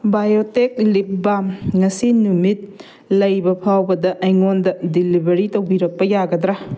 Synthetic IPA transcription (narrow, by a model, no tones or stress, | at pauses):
bajotek̚lip̚bamŋɐsinumit̚ | lɐjbɐpʰawbɐdɐʔɐjŋondɐdilibɐɾitɐwbiɾɐk̚pɐjaɡɐdɾa